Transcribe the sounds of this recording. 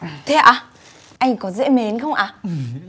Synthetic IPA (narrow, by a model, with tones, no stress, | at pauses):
t̪ʰe˨˩ʔaː˨˩ | ʔa˧jŋ̟kɔ˨˦zɛ̰˧˥me˨˦nxə˧wŋ͡mʔaː˨˩